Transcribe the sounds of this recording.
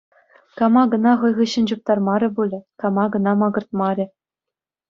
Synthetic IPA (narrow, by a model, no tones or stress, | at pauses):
kɑmɑɡɤ̆nɑχɤ̆jʁɤ̆ɕɘ̆nd͡ʑup̚t̪ɑrmɑɾʲɘ̆bulʲɘ̆kɑmɑɡɤ̆nɑmɑɡɤ̆rt̪̚mɑɾʲɘ̆